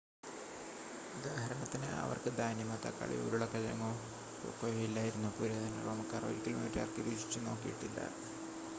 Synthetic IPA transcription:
ud̪aːɦɐɾɐɳɐt̪ːinɨʔɐ̰ʋɐ̰rkɨd̪aːjnjimɐt̪ːa̰kːa̰ɭḭjṵɾuɭːɐkɐlɐ̰ŋːo | o̰kːojilːaːjiɾunːupuːɾoːd̪ʱɐnɐroːmɐkːaːro̰ɾikʲːilomḭːʈːraːrkɨʋiɕi̥t͡ɕːɨno̞ːkːijiʈːilːɐ̰

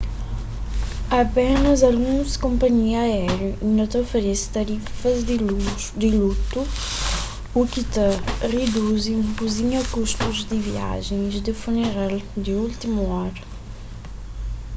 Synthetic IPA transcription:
ɐpɛnɐzalɡũnskõmpɐɲiaɛɛɾjuĩnõt̪ofeɾɛst̪ɐɾifɐzd̪ | d̪ɪlut̪u | ukit̪ɐred̪uzẽpuziɲɐkuʃt̪uzd̪ɪvia̰ʒẽj̃zd̪ɪfuneɾald̪ɪult̪imuɔɾɐ

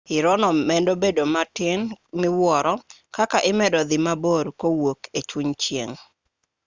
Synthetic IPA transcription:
ɪɾɔnɔmɛndobedomatɪnmɪwɔɾɔ | kakaʔɪmɛdɔd̪ɪmaboɾkowoket͡ʃuɲt͡ʃjḛŋ

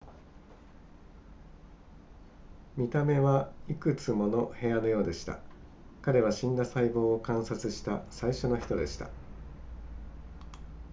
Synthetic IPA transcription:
mʲit̪ame̞βaikɯ̟t͡sɨmo̞no̞he̞ano̞jo̞ːd̪e̞ɕi̥t̪a̰ | kaɾe̞β̞aɕĩnd̪asaibo̞ːkãɰ̃sat͡sɨɕi̥t̪asaiɕo̞no̞çi̥t̪o̞d̪e̞̰ɕi̥t̪a̰

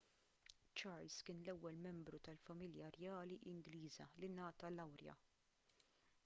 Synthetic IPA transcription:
t͡ʃɐɾlskɪːnlɛwːɛlmɛmbɾut̪ɐlfɐmɪljɐɾjɐːliʔɪŋɡliːzɐlinɐːt̪ɐlɐwɾjɐ̰

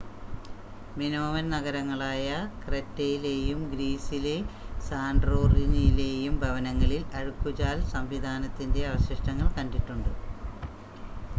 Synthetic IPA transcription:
minoːʋɐnnɐɣɐɾɐŋːɐɭaːjɐkretːɐjile̞ːjumɡɾiːsile̞saːɳɖroːrinileːjumbʱɐʋɐnɐŋːɐɭilɐɻukːut͡ɕaːlsɐmʋid̪ʱaːnɐt̪ːinde̞ɐʋɐɕɐʂʈɐŋːɐɭkɐnɖiʈːuɳɖɨ

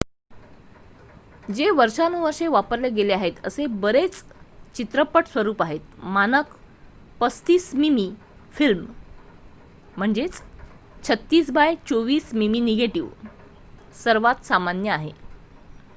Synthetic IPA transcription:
d͡ʑeʋəɾʂanuʋəɾʂeʋapəɾleɡeleaɦet̪əsebəɾet͡st͡ɕit̪ɾəpəʈsʋəɾuːpaɦet̪̚manək | pəst̪iːsmimi | film | m̤əɳd͡zet͡s | t͡ɕʰət̪ːiːsbajt͡ɕoʋiːsmimineɡeʈiʋ | səɾʋat̪samanjəaɦe

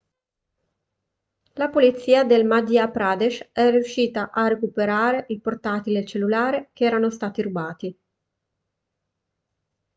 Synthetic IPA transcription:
lapolit̪sːiːad̪elmad̪iapɾad̪eʃɛriuʃːiːt̪aʔarekupeɾaːɾeʔilport̪at̪ilet͡ʃelːulaːɾekeɛːɾanost̪aːt̪iɾubaːt̪i

